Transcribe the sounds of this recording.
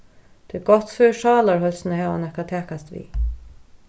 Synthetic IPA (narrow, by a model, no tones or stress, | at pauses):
t̪ʰeɡ̥ɔt̪føːʃɑːlaɹhœlsnəhɛːʋa̰nɛhkat̪ʰæːkast̪ʋḭː